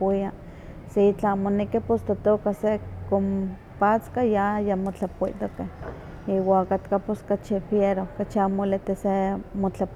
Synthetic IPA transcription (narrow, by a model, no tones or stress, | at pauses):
ia | set͡ɬaamonekipost̪at̪okasekom | pat͡skajajamot͡ɬapoḭt̪okeh | iːwaakat̪kaposkat͡ʃifjeɾokat͡ʃiamolet̪esemot͡ɬa